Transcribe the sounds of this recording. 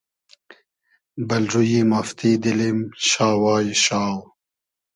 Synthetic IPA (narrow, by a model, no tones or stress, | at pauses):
bɐlɾujimaft̪id̪ilimɕaːwɑːjɕaːw